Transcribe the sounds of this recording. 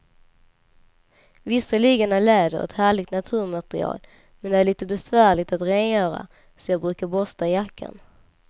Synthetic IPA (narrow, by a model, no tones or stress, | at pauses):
vɪsːəliːɡənæɭɛːd̪əɾɛ̰t̪hæːɭɪɡ̚t̪nat̪ʰʉ̟ːɾmat̪ɾɪ̰ɑ̰ːl | mɛnd̪ɛæɾɭiːt̪əbɛsvæːɭɪɡ̚t̪at̪ɾeːnjœːɾa̰ | sɔjɑːɡ̚bɾʉ̟ːkaɾbɔst̪ajakʰːa̰n